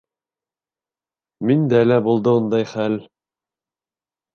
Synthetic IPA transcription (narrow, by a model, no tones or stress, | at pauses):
mind̪æælæbulˠd̪ɤund̪ɑjχæl